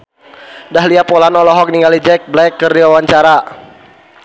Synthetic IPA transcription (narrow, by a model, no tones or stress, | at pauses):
daɦliapɔlanɔlɔɦɔk̚niŋɡalid͡ʒɛk̚blɛkːərdiwawaɲt͡ʃaɾa